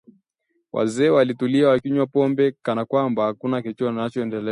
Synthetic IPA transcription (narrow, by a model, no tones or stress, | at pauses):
wʔa̰zɛːwalituliawakiɲwapɔmbɛkanakwambahakunakit͡ʃɔnat͡ʃɔɛndɛlɛ